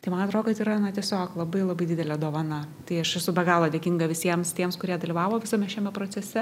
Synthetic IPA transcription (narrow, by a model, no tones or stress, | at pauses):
t̪ɐɪmɐnɐt̪ɾoːd̪kɐt̪iːɾɐnɐt̪ʲiɛsʲoːklˠɐbɐɪlˠɐbɐɪdʲɪd̪ʲɛlʲɛd̪oːʋɐnɐ | t̪ɐɪɐʃɛsʊbʲɛɡɑːlˠoːd̪ʲeːkʲɪŋɡɐʋʲɪsʲiɛmst̪ʲiɛmskʊɾʲiɛd̪ɐlʲiːʋɑːʋoːʋʲɪsɐmʲɛʃʲɛmʲɛpɾoːt͡s̪ʲɛsʲɛ